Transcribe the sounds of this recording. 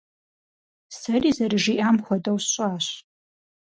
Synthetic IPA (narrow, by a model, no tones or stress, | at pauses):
sɐriːzɐrɨʒiʔaːmxʷɔdɐwsɕʼaːɕ